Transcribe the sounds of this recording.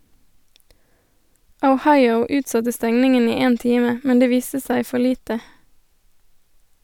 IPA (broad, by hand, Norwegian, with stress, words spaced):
əʊˈhɑɪəʊ ˈʉːtˌsɑtə ˈstɛŋnɪŋən ˈiː ˈeːn ˈtiːmə ˈmɛn ˈdeː ˈʋiːstə ˈsæɪ ˈfɔ ˈliːtə